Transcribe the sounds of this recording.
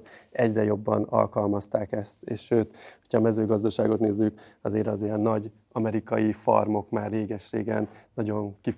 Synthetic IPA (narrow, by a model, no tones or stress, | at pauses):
ɛɟrɛjo̞bːɒ̰nɒ̰lkɒlmɒst̪aːkɛst̪eːʃʃøːt̪hochɒːmɛzøːɡɒzd̪ɒʃaːɡo̞t̪neːzːykɒzeːɾɒziɛnːɒɟ | ɒmɛɾikɒjifɒ̰rmo̞kmaːrːeːɡɛʃrḛːɡɛ̰nːɒɟo̞ŋki